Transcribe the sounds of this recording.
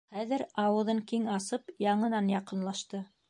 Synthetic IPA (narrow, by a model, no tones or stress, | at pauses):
χæðɘɾɑwɤ̆ðɤŋkiŋɑsɤpjɑɴɤ̆nɑnjɑqɤ̆nlˠɑʃt̪ɤ